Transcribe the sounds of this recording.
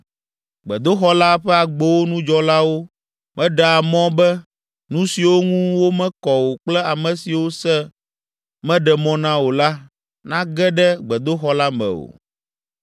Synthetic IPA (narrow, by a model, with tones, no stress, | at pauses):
ɡ͡bɛ̰˨d̪o˦xɔ˦la˦ɸɛ˦a˨ɡ͡be˦wo˦nũ˦d͡ʒɔ˦la˦wo˦ | mʔɛ̃˦ɖa˨a˨mɔ̃˦bɛ˦ | nũ˦si˨wo˦ŋũ˦wo˦mɛ̃˦kɔ˨wo˨k͡plɛ˦a˨mɛ̃˨si˨wo˦sɛ˦ | mɛ̃˦ɖɛ˨mɔ̃˦nã˦wo˨la˦ | nã˦ɡɛ˦ɖɛ˦ɡ͡bɛ˨d̪o˦xɔ˦la˦mɛ̰̃˨wo̰˨